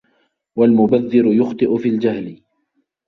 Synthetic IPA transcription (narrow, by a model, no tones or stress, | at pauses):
walmʊbaðːɪɾʊjʊxt̪ˤɨʔʊfiːld͡ʒahlɪ